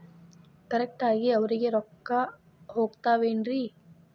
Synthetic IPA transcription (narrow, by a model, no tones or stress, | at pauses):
kɐɾɛk̚ʈaːɡiɐʋɐɾiɡe̞ɾɔkːa | ɦoːɡt̪aːʋeːnɾi